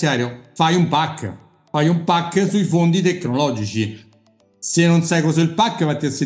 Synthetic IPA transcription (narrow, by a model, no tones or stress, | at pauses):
jaːɾjofajumpakː | fajumpakːsuifond̪it̪ekːnolɔːd͡ʒit͡ʃi | senːonsajkɔzɛilpakːvat̪ːiase